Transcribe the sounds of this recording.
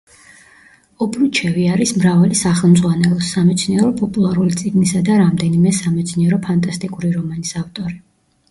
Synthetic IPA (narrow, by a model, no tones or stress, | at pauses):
ɔbʰɾut͡ʃʰɛviaɾismɾavalisaχɛlˠmd̪zʁwanɛlˠɔsamɛt̪sʰniɛɾɔpʼɔpʼulˠaɾulit̪sʼiɡnisad̪aɾamd̪ɛnimɛsamɛt̪sʰniɛɾɔpʰant̪ʼast̪ʼikʼuɾiɾɔmanisaft̪ʼɔɾi